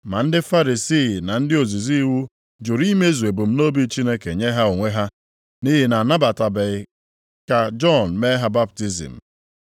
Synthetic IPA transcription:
ma˨n̩˦dɪ˦fa˦ɾi˨si˦˨na˨n̩˦dɪ˦o˨zi˨zi˦wu˦ | d͡ʒʊ˨ɾi˦me˦zu˨e˨bu˨m̩˦no˦bi˦t͡ʃi˦ne˦ke˨ɲe˦ɦa˦o˨ŋʷe˦ɦa˦ | ni˦ɦi˦na˨na˦ba˨ta˨be˨ɪ˨ | ka˨d͡ʒɔ˦n̩˨me˦ɦa˦ba˦p̚ti˦zḭ˨m̩˨

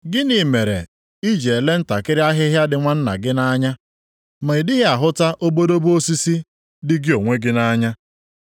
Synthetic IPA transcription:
ɡɪ˦ni˨me˨ɾḛ˨ | i˦d͡ʒe˨e˨le˦n̩˦ta˨kɪ˦ɾɪ˦a˦ɦɪ˦ɦja˦dɪ˨ŋʷa˦n̩˦na̰˨ɡɪ˦na˦ɲa˦ | ma˨i˨dɪ˦ɦɪ˦a˨ɦʊ˦ta˦ʔo˦bo˦do˦bu˦o˦si˦si˦ | dɪ˦ɡɪ˦o˨ŋʷe˦ɡɪ˦na˦ɲa˦

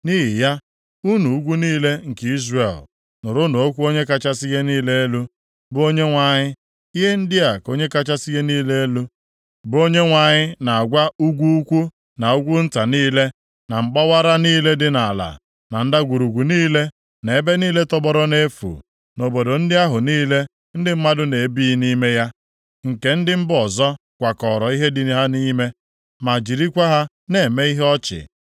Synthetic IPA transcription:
ni˦ɦi˨ja˦ | u˦nu˨u˦ɡʷu˦niː˦le˦ŋ̩˨ki˦zre˨l | nʊ˨ɾʊ˦no˨o˦kʷu˦o˦ɲe˦ka˦t͡ʃa˦si˦ɣe˦niː˦le˦e˦lu˦ | bʊ˦o˦ɲe˦ŋʷa˨ɲɪ˦ | i˦ɦe˦n̩˦dɪ˦a˨ko˦ɲe˦ka˦t͡ʃa˦si˦ɣe˦niː˦le˦e˦lu˦ | bʊ˨˦o˦ɲe˦ŋʷa˨ɲɪ˦na˨a˨ɡʷa˦u˦ɡʷu˦u˦kʷu˦ | na˨u˦ɡʷu˦n̩˦ta˨niː˦le˦ | na˨ŋ͡m̩˨k͡pa˦wa˦ɾa˦niː˦le˦dɪ˦na˨la̰˨ | na˨n̩˦da˦ɡʷu˨ɾu˨ɡʷu˨niː˦le˦ | ne˨e˦be˦niː˦le˦tɔ˦bɔ˦ɾɔ˦ne˦fṵ˨ | no˨bo˨do˨n̩˦dɪ˦a˦ɦʊ˨niː˦le˦ | n̩˦dɪ˦m̩˦ma˦dʊ˦ne˨˦bi˦ni˦me˦ja˦ | ŋ̩˨ke˦n̩˦dɪ˦m̩˦bɔ˨zɔ˦ | kʷa˨kɔ˨ɾɔ˨i˦ɦe˦dɪ˨ni˨ɦa˦ni˦me˦ | ma˨d͡ʒi˨ɾi˦kʷa˦ɦa˦ | ne˨me˦i˦ɦɔ˦t͡ʃɪ̰˨

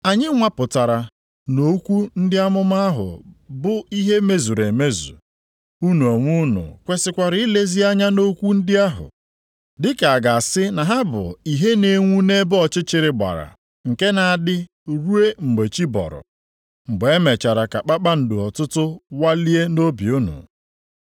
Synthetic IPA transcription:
a˨ɲɪ˦ŋʷa˦pʊ˨ta˨ɾa˨ | no˦kʷu˦n̩˦dɪ˦a˦mʊ˦ma˦a˦ɦʊ̰˨bʊ˨i˦ɦe˦me˦zu˨ɾe˨me˦zṵ˨ | u˦nu˨o˨ŋʷu˦nṵ˨kʷe˨sɪ˨kʷa˨ɾi˨i˦le˦zi˦a˦ɲa˦no˦kʷu˦n̩˦dɪ˦a˦ɦʊ̰˨ | dɪ˦ka˨a˨ɡa˨a˨sɪ˦na˨ɦa˦bʊ̰˨i˨ɦe˦ne˦ŋʷu˦ne˦bɔ˨t͡ʃɪ˦t͡ʃɪ˨ɾɪ˨ɡ͡ba̰˨ɾa̰˨ | ŋ̩˨ke˦na˨a˨dɪ˦ | ɾu˦e˦ŋ͡m̩˨ɡ͡be˨t͡ʃi˦bɔ̰˨ɾʊ̰˨ | ŋ͡m̩˨ɡ͡be˦me˨t͡ʃa˨ɾa˨ka˨k͡pa˦k͡pa˦n̩˨dʊ˨ɔ˨tʊ˦tʊ˦wa˦li˦e˦no˦bi˨u˦nṵ˨

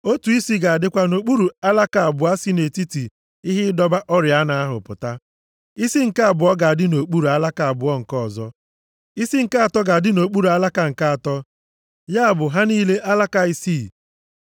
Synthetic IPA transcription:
o˦tu˨i˦si˦ɡa˨a˨dɪ˦kʷa˦no˨k͡pu˦ɾu˨a˦la˦ka˨a˨bʊ˨a˦si˦ne˨ti˦ti˨ | i˦ɦɪ˦dɔ˦ba˦ʔɔ˦ɾja˦na˨a˦ɦʊ̰˨pʊ̰˨ta˦ | i˦si˦ŋ̩˨ka˦a˨bʊ˨ɔ˦ɡa˨a˨dɪ˦no˨k͡pu˦ɾu˨a˦la˦ka˨a˨bʊ˨ɔ˦ŋ̩˨kɔ˦˨zɔ˦ | i˦si˦ŋ̩˨ka˦a˨tɔ˦ɡa˨a˨dɪ˦no˨k͡pu˦ɾu˨a˦la˦ka˨ŋ̩˨ka˦a˨tɔ˦ | ja˦a˨bʊ˨ɦa˦niː˦le˦ʔa˦la˦ka˨i˦si˦˨

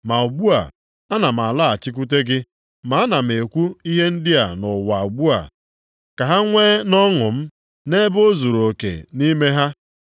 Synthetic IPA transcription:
ma˨u˨ɡ͡bu˦a̰˨ | a˦na˨m̩˨a˨la˦a˨t͡ʃɪ˦k̬u˦t̬e˦ɡɪ˦ | ma˨˦a˦na˨m̩˨e˨kʷu˦i˦ɦe˦n̩˦dɪ˦a˨nʊ˨wa˨u˨ɡ͡bu˦a̰˨ | ka˨ɦa˦ŋʷe˦nɔ˦ŋʊ˨m̩˦ | ne˦bo˦zu˨ɾo˨kḛ˨ni˦me˦ɦa˦

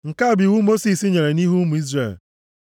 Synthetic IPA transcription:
ŋ̩˨ka˦˨bi˨wu˦mo˦si˨si˦ɲe˨ɾe˨ni˦ɦu˦mu˨i˦zrḛ˦˨l

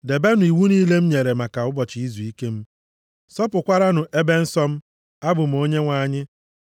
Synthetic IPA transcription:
de˨be˦nʊ˨i˨wu˦niː˦le˦m̩˦ɲe˨ɾe˨ma˨ka˨ʊ˦bɔ˨t͡ʃi˨i˦zu˨i˦ke˦m̩˦ | sɔ˦pʊ˨kʷa˦ɾa˦nʊ˨ʔe˦be˦n̩˦sɔ˦m̩˦ | a˦bʊ˨m̩˨o˦ɲe˦ŋʷa˨˦˨ɲɪ˦

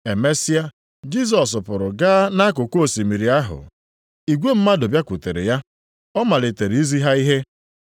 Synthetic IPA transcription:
e˨me˦si˦a˦ | d͡ʒi˦s̬ɔ˨s̬pʊ˨ɾʊ˨ɡaː˦na˦k̬ʊ˨ko˦˨si˨mi˨ɾi˨a˦ɦʊ̰˨ | i˨ɡʷe˦m̩˦ma˦do˨bja˦kʷʊ˨te˨ɾɪ̰˨ja˦ | ɔ˦ma˨le˨te˨ɾi˨i˦zi˦ɦa˦i˦ɦe˦

